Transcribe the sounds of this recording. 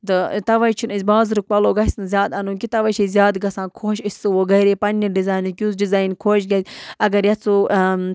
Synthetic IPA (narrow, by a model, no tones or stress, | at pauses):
d̪ɨt̪ɐʋɐjt͡ʃʰinisʲbaːzɾuk̚pɐloːɡɐsnzʲjaːd̪ɐnũːkʲit̪ɐʋɐt͡ʃʰizʲjaːd̪ɡɐsãːkʰoːʃisʲɨʋoːɡɐɾeːpɐnːiɖizaːjnukʲjuzɖizaːjnkʰoːʃɡɐsʲɐɡɐɾjɐt͡su